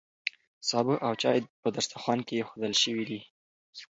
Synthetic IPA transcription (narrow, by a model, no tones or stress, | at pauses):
sɑbəʔawt͡ʃɑjpəd̪aɾst̪axwɑnkejexod̪əlʃəwid̪i